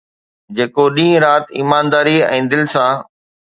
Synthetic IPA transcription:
d͡ʑeːkoɗĩːɾaːt̪iːmaːnd̪aːɾiɛ̰̃ːd̪ɪlsãː

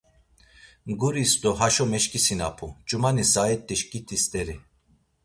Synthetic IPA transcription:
ɡuɾisd̪ɔɦaʃɔmɛʃkʼisina̰pʰut͡ʃʼumanisaɛt̪ʼːiʃkʼit̪ʰʼist̪ʼɛɾi

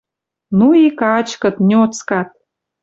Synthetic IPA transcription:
nuikɑt͡ɕkɤ̆t̪nʲot͡skɑt̪̚

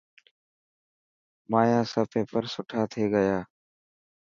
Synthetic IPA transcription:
maːjãːsəpẽːpəɾsʊʈʰaːt̪ʰeːɡəjaː

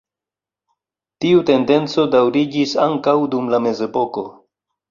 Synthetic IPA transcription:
tiute̞nde̞nt͡so̞dawɾid͡ʒisaŋkawdumlame̞ze̞po̞ko̞

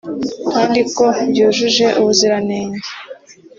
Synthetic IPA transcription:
kaːndiko̞bɟuːʒuʒe̞ʔuβuziɾaneːɲe

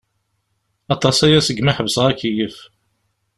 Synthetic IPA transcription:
ɑt̪ˤɑsæjæsəɡmaħəbsʁækːijəf

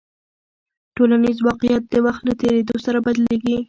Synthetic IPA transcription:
ʈolanizwɑqɪjat̪̚d̪əwaxt̪lat̪eɾed̪osaɾabad̪leɡi

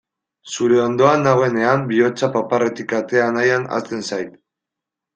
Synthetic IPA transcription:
suɾe̞o̞nd̪o̞anaɣoe̞ne̞ambio̞t͡sapapare̞t̪ikat̪e̞anajana̰st̪e̞nsajt̪

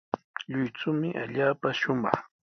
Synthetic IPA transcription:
ʎʊjt͡sʊmɪʔaʎaːpaʃʊmɑχ

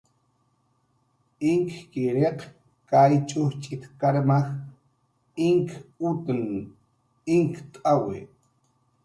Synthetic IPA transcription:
ɪŋkkɪɾeq | kajt͡ʃʼʊht͡ʃʼɪt̪kaɾmax | ɪŋkut̪əŋ | ɪŋkt̪ʼawɪ̰

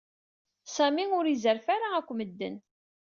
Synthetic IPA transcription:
sæmiʊɾizəɾfaɾaækʷːməd̪ːə̰n

